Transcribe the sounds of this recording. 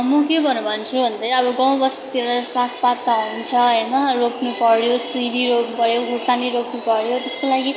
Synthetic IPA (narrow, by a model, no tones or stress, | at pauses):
mʌkebʱʌnubʱʌnt͡sʰubʱʌnd̪ʌjʌbʌɡãw̃bʌst̪eɾʌsãkʰpat̪ːaɦunt͡sʰʌɦʌjnʌropnupʌɽjosrid̪iɾoppʌɽjoɡusaniɾopnupʌɽjot̪eskolaɡi